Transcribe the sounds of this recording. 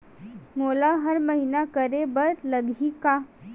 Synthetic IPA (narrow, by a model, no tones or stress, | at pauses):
molaɦəɾməɦinakəɾebəɾləɡʱika